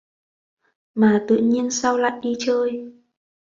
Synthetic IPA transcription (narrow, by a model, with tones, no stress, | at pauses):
maː˨˩t̪ɨ̰˧˨ɲi˧ənsa˧wla̰ː˧˨jɗi˧t͡ɕəː˧j